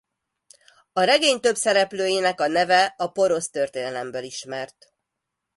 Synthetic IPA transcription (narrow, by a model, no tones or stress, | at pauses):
ɒɾɛɡeːɲt̪ø̞bsɛɾɛpløːjeːnɛkɒnɛvɛɒpo̞ɾo̞st̪ø̞rt̪eːnɛlɛmbøliʃmɛrt̪